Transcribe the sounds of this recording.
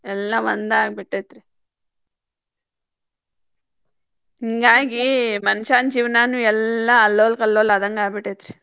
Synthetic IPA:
ɛlːɐʋɐnd̪aːɡɐbiʈːet̪ɾi | iŋɡaːɡimɐnʃaːnd͡ʒiːʋnaːnuɛlːɐːlːoːlkɐlːoːlɐd̪ɐŋɡaːbiʈːet̪ɾi

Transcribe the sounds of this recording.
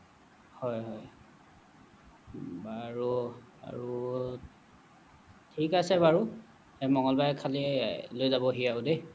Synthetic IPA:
hɔjɦɔj | baɹu | a̰ɹu | tʰikasɛbaɹu | ɛmɔŋɔlbajkʰalilojzabɔɦijaʊde

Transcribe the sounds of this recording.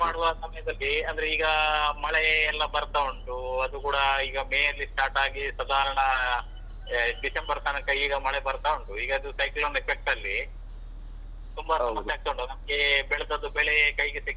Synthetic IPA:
maːɽuʋɐsɐmɐjɐd̪ɐlːiɐnd̪ɐɾeiːɡɐmɐɭeːlːɐbɐɾt̪aoɳʈuɐd̪ukuːɽɐiːɡɐmeːjɐlːisʈaːɾʈaːɡisɐd̪aːɾɐɳɐ | ɖisembɐɾt̪aːnɐkɐjiːɡɐmɐɭebɐɾt̪aoɳʈuiːɡɐɐd̪usɐjklɐnɐepek̚ʈɐlːi | t̪umbɐsɐmɐst̪ejaːɡit̪ɐoɳɖunɐmɐɡe̞bɛɭɐd̪ɐd̪ːubɛɭekɐjɡesik

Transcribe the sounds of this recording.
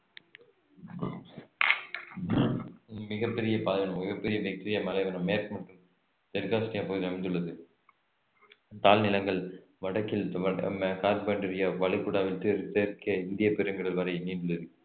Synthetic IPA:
mɪɣɐpːɛɾɪjɐpaːðɐnɐmmɪɣɐpːɛɾɪjɐbɐk̚ʈːɪɾɪjɐmɐlɐɪʋɐnɐmmːeːɾkɯmɐʈrɯm | t̪ɛɾkaːsʈɪjaːpoːðiɐmɪnd̪ɯɭːɐðɯ | t̪aːlnɪlɐŋɡɐɭ | ʋɐɽɐkːɪlɐmkaːɾbɐɳɖɐɾɪjaːʋɐɭɪkːʊɽaːʋɪʈːɯɾɯt̪ːeːɾkɐɪnd̪ɪjɐpɛɾɯŋɡɐɽɪlʋɐɾɐɪniːnɖɯɭːɐðɯ

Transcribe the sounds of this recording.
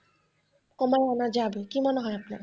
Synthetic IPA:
kɔmajɔnad͡ʑabekimɔneɦɔjapnaɾ

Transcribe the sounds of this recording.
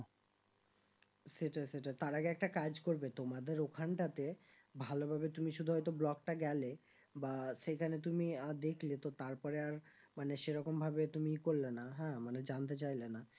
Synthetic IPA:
seʈaseʈat̪aɾaɡeɛk̚ʈakad͡ʑkoɾbet̪omad̪eɾokʰanʈat̪e | bʱalobʱabet̪umiʃud̪ʱuɦɔjt̪̬oblɔkʈaɡɛle | baʃekʰanet̪̬umiad̪ekʰlet̪ot̪aɾpɔɾeaɾ | maneʃeɾɔkombʱabet̪umikoɾlenaɦɛ̃maned͡ʑant̪̬et͡ɕajlena

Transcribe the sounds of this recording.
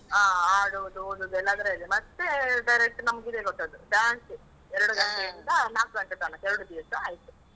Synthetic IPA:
aːaːɽuʋd̪uoːd̪ud̪uɛlːaːd̪ɐɾeɐlːimɐt̪ːeɖɐjɾek̚ʈnɐmɐɡid̪eɡoʈ̪ːɐd̪ubjaːɳsi | ɛɾɐɽuɡɐʈeind̪ɐnaːkusɐkɐʈaːɳɐɛɾɐɽud̪iːɐsɐaːjit̪u

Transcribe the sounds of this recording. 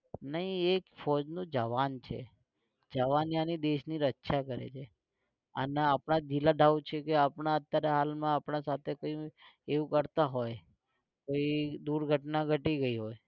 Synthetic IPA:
nəɦĩekfɔd͡ʒnũd͡ʒəʋant͡ʃʰḛ | d͡ʒəʋanjanid̪eʃniɾətːʃʰakəɾḛt͡ʃʰe | ə̰neapnad͡ʒilaɖʱaʋut͡ʃʰekeapɳaət̪ːjaɾaɦalmãːpɳasat̪ʰekoieʋũkəɾt̪aɦoj | koid̪uɾɡʱəʈnaɡʱəʈiɡəiɦoj

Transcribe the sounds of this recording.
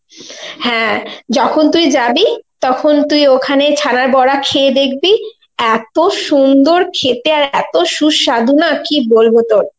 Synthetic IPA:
hɛ̃d͡ʑɔkʰont̪uid͡ʑabit̪ɔkʰont̪ujokʰanet͡ɕʰanaɾbɔɽakʰeed̪ek̚ʰbi | ɛt̪oʃund̪oɾkʰet̪eaɾɛt̪oʃuʃʃad̪ʱunakibolbot̪oɾ

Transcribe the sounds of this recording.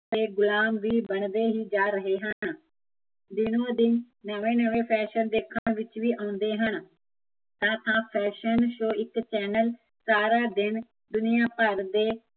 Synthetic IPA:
t̪eːɡʊlaːmʋiːbəɳd̪eːɦiːd͡ʒaːɾəɦeːɦən | d̪ɪnõːd̪ɪnː | əʋẽːnəʋẽːpʰɛːʃənd̪eːkʰãɳʋɪt͡ʃʋiːʔãːnd̪eːɦən | t̪ãːt̪ʰãːpʰɛːʃənʃoːɪkt͡ʃɛːnəl | saːɾaːd̪ɪn | d̪ʊnɪjaːpəɾd̪eː

